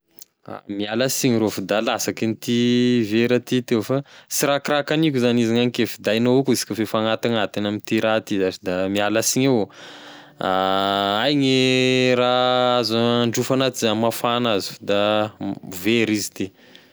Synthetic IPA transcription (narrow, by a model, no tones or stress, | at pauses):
a̰mialasiɲiɾofid̪alasakinit̪iveɾat̪it̪ewfasiɾakɾakanikʲuzaniziŋanikefid̪ajnoukuzi̥kəfefaŋat̪aŋat̪inamint̪iɾat̪izat͡ʃid̪amialasiɲew | aajɲiɾaazaɳɖ͡ʐufanat̪izamafanazu̥fd̪a | veɾizid̪e